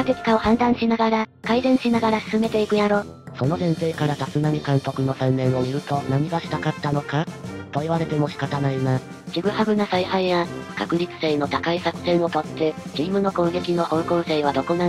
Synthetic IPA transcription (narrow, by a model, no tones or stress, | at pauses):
kak̪et͡sɨ̥kao̞hãnd̪ãɰ̃ɕinaɡaɾakaizẽ̞ɰ̃ɕinaɡaɾasɨ̥sɨme̞t̪e̞ikɯ̟jaɾo̞ː | so̞no̞sẽ̞nse̞ːkaɾat̪asɨnamʲikãŋt̪o̞kɯ̟no̞sãnːẽ̞ɰ̃o̞mʲiɾɯ̟t̪o̞naɲ̟iɡaɕi̥t̪akat̪ːano̞kat̪o̞iβaɾe̞t̪e̞mo̞ɕi̥kat̪anaina | ɕiɡɯ̟habɯ̟nasaihaiβakakɯ̟ɾʲit͡sɨ̥se̞ːno̞t̪akaisakɯ̟̥sẽ̞ɰ̃o̞t̪o̞t̪ʰːe̞t͡ɕiːmɯ̟no̞kõ̞ŋɡe̞kʲino̞hõ̞ŋkõɰ̃seːβad̪o̞ko̞na